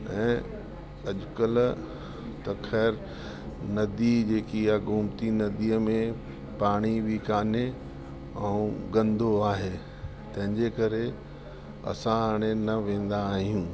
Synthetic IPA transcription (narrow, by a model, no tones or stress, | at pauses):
ɛ̃ː | ɐʄʊkəl | t̪ɐxɛːɾ | nɐd̪id͡ʑeːkijaɡʱʊmt̪inɐd̪iːəmẽ | paːɽ̃iʋikaːne | ɛũɡɐ̃nd̪ʱoaːɦeː | t̪ɐ̃ɦɪ̃ɲd͡ʑekɐɾe | ɐ̰sãaːɽ̃enɐʋẽːn̆d̪aːɦijũː